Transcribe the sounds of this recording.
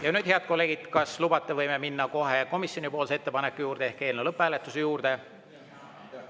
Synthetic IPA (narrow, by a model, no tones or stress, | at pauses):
jɑnyːd̪̥he̞ɑd̪̚ko̞lːe̞ːɡ̥id̪̥kɑslubɑt̪ːˑe̞vɤjme̞minːɑko̞ɦe̞ko̞misjo̞nipo̞ːlseet̪ːe̞pɑnekːujuːɾd̪̥e̞ehke̞ːlnelɤpˑːæːlet̪ːˑusejuːɾd̪̥e̞